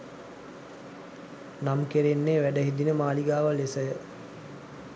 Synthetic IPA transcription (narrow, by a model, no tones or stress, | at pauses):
namkeɾenːeːʋæɖəɦid̪inəmaːliɡaːʋəlesəjə